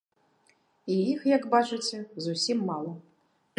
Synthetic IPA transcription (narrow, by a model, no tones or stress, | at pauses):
iixjɐɡbat͡ʂɨt͡sʲɛzusʲimːalˠɐ